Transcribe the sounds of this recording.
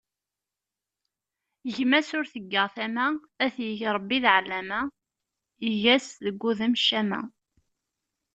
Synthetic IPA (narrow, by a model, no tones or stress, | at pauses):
ʝmæsʊɾθəɡːəʁθæmæ | æθjəʝɾˤəbːiðʕlːæmæ | əʝæsðəɡʷːuðəmʃæmæ̰